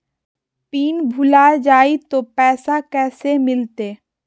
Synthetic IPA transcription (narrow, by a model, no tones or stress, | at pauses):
piːnbʱʊlad͡ʒaːit̪opɛːsakɛːsemɪlt̪eː